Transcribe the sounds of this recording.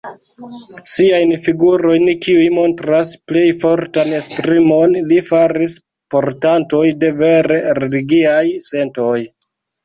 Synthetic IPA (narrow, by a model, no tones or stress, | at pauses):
siajnfiɡuɾo̞jnkiujmo̞ntɾasple̞jfo̞ɾtane̞spɾimo̞nlifaɾis | po̞ɾtanto̞jde̞ve̞ɾe̞ɾe̞liɡiajse̞nto̞j